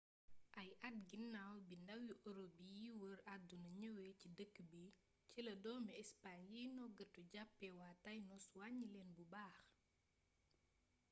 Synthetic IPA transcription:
ʔɐjʔɐt̚ɡinːawbindɐwiʔɔɾobijiwəɾadunɐɲəwɛcidəkːbi | cilɐdɔːmɛɛspaɲjijnɔɡətuɟapːɛwatajnɔswaɲːilɛnbubaːx

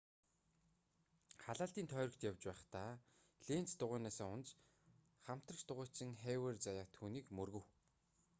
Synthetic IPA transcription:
χaɮaːɬt̪iːnt̪ʰœːɾɞ̆kt̪jawt͡ɕpæːχt̪aː | ɮeːn̥t͡st̪ʊʁʊːnaːsaːʊnt͡ɕ | χam̥t̪rə̆rt̪ʊʁʊːt͡ɕɪ̆ŋχeːweːrt͡sajaːt̪ʰuːniːkmɵrɣɘ̆w

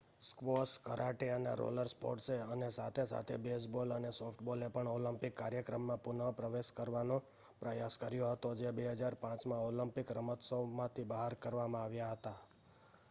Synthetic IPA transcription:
skʋoskəɾʔaʈeənḛɾo̰ləɾspo̰ʈseənesat̪ʰesa̰t̪ʰebesbolənesofʰʈbolepəɳoləmpɪkːaɾjəkɾəmːãpʊnəpɾəʋeʃkəɾʋano | pɾəjaskəɾjoɦət̪od͡ʒebeɦəd͡ʒaɾpãt͡ʃmãoləmpɪkɾəmət̪somãt̪ʰibəɦaɾkəɾʋamãaʋjaɦət̪a

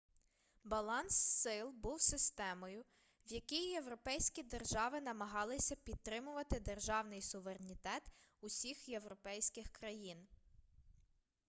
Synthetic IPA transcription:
bɐlˠɑnsːɪlˠbuwsɪst̪ɛmɔjʊ | wjɐkʲijje̞wɾɔpɛjsʲkʲid̪erʒɑʋɪnɐmɐɦɑlˠɪsʲɐpʲid̪̚t̪ɾɪmʊʋɐt̪ɪd̪erʒɑwnɪjsʊʋeɾenʲit̪ɛt̪ʊsʲixje̞wɾɔpɛjsʲkɪxkɾɐjin

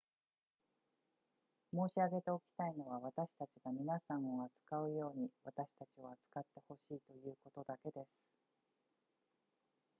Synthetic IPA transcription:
mo̞ːɕiaɡe̞t̪e̞o̞kʲi̥t̪aino̞β̞aβat̪aɕi̥t̪at͡ɕiɡamʲinasãɰ̃o̞at͡sɨ̥kaɯ̟jo̞ːɲ̟iβat̪aɕi̥t̪at͡ɕio̞at͡sɨ̥kat̪ːe̞ho̞ɕiːt̪o̞jɯ̟ːko̞t̪o̞d̪ake̞d̪e̞sɨ̥

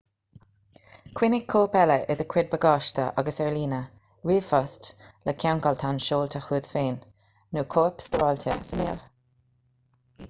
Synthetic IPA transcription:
kʰw̥ɪnɪɡkʰːoːpɛləʔɪðəkʰwɪd̪̚bəɡɑːʃtə̰ʔaɡəsɛɹliːnə | ɹiːfɔstləkʲʰawnkɔlt̪ʰanʃoːlt̪ʰəxuːd̪̥feːn | nuːkʰoːpst̪ɔːlt̪ʰə̰sənḛːl

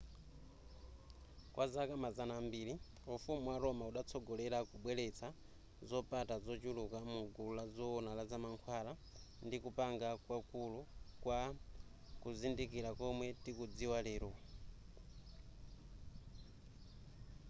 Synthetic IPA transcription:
kwʔazakamazanaːmbiɾi | ufumuwaɾɔmauɗat͡sʰɔɡɔlɛɾakuɓwɛlɛt͡sʰa | zɔpatad͡zɔt͡ʃulukamuɡuulad͡zɔɔnalad͡zamaŋkʰwaɾa | ndikupaŋɡakwakulukwa | kuzindikiɾakɔmwɛtikud͡ziwalɛːɾɔ

